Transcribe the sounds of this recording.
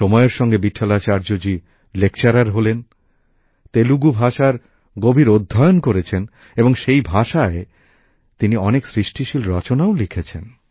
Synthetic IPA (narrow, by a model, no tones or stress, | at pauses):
ʃɔmɔeɾʃɔŋɡebiʈʰːalat͡ɕaɾd͡ʑod͡ʑi | lek̚t͡ɕaɾaɾɦolen | t̪eluɡubʱaʃaɾ | ɡobʱiɾod̪ʱːajonkoɾet͡ɕʰen | eboŋʃejbʱaʃae | t̪iniɔneksɾiʃʈʰiʃilɾɔt͡ɕonaolikʰet͡ɕʰen